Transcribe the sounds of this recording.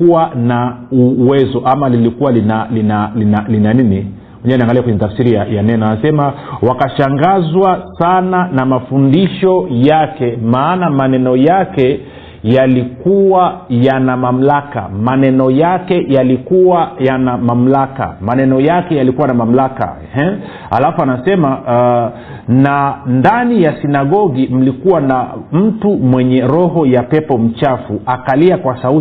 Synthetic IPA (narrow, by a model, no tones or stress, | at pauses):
uwanauwɛzɔʔamalilikuwalinalinalinalinanini | wɛɲɛwaniaŋɡaliakwɛɲɛtafsiɾijajanɛnɔnasɛma | wakaʃaŋɡazwasananamafundiʃɔjakɛmaːnamanɛnɔjakɛ | jalikuwajanamam̩laka̰manɛnɔjakɛjalikuwajanamam̩laka̰manɛnɔjakɛjalikuwanamam̩laka̰ɛhɛ | ha̰lafuanasɛma | nandanijasinaɠɔɡim̩likuwanam̩tumwɛɲɛɾɔɦɔjapɛpɔm̩t͡ʃafuʔakaliakwasau